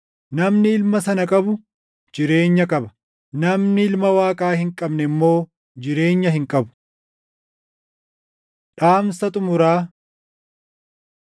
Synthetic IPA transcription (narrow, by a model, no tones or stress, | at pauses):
nɐmnɪɪlmɐsɐnɐkʼɐbʊ | d͡ʒɪɾe̞ːɲːɐkʼɐbɐ̥ | nɐmnɪɪlmɐwaːkʼaːhɪŋkʼɐbnɛmːo̞ː | d͡ʒɪɾe̞ːɲːɐhɪŋkʼɐbʊ̥ | ᶑaːmsɐt̪ʼʊmʊɾaː